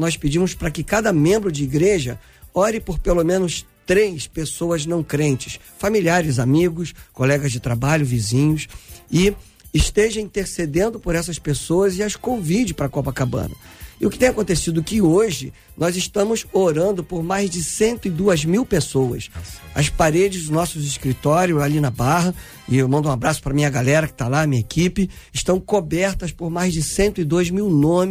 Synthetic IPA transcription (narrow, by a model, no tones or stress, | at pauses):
nɔspɪd͡ʒĩmʊspɾɐkɪkad̪ɐmẽmbɾʊd͡ʒɪiɡɾeʒɐ̰ | ɔɾɪpoɾpelomẽnʊst̪ɾejspesowɐznɐ̃w̃kɾẽnt͡ʃɪ̥s | familiaɾɪzamiɡʊskolɛɡɐzd͡ʒɪt̪ɾabaʎʊvizĩɲʊsɪ | ɪʃt̪eʒɐ̃ĩt̪eɾsed̪ẽnd̪ʊpoɾɛs̬ɐspesowɐzɪɐskõvid͡ʒɪpɾɐkɔpɐkabɐ̰̃nɐ̰ | ɪʊkɪ̥t̪ẽj̃akõnt̪esid̪ʊkɪoʒɪ | nɔzɪʃt̪ɐ̃mʊzoɾɐ̃nd̪ʊpoɾmajzd͡ʒɪsẽnt̪ʊɪd̪uɐzmiwpesowɐ̰sɐ̰spaɾed͡ʒɪznɔsʊzɪʃkɾit̪ɔɾjʊalinɐbaɦɐ | ɪmɐ̃nd̪ʊũabɾasʊ̥pɾɐmĩɲɐɡalɛɾɐkɪ̥t̪alanɐmĩɲɐekipɪɪʃt̪ɐ̃w̃kobɛɾt̪ɐspoɾmajzd͡ʒɪsẽnt̪ʊɪd̪oɐzmiwnõmɪ